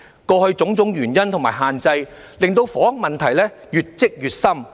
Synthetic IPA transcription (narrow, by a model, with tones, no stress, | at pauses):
kɔː˧hɵ˧ɥt͡sʊ˨˥ŋt͡sʊ˨˥ŋjyː˨˩njɐ˥nt̪ʰʊ˨˩ŋmaː˨˩jɦaː˨nt͡sɐ˧j | lɪ˨˩ŋt̪o˧wfɔː˨˥ɐ˥ŋ̚mɐ˨nt̪ʰɐ˨˩jlɛː˥ | jyː˨t̚t͡sɪ˥k̚jyː˨t̚sɐ˥m